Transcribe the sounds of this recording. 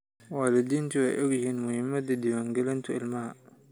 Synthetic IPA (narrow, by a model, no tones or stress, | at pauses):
waːlɪd̪iːnt̪ʰiwɛjʔɔɡjɪhiːnmʊhɪmːɐd̪ɐd̪ɪwaːŋɡɛlɪnt̪ʰʊɪlmɐhɐ